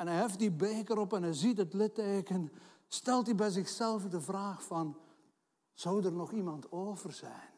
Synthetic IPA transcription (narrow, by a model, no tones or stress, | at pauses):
ɛnɛjɦɛft̚dibeːkəɾɔpɛnɛjzitətlɪtːeːkən | stɛlˠtibɛjzɪxsɛlˠvədəvraːxfɑn | z̥owdərnɔχimɑntoːvərzɛjn